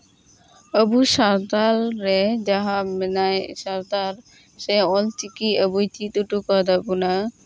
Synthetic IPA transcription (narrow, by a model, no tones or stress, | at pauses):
əbuʃaɾd̪alɾed͡ʒaɦamɛnajsaɾd̪aɾ | seɔlt̪ikiəbujt̪ʰit̪uʈukɔd̪abuna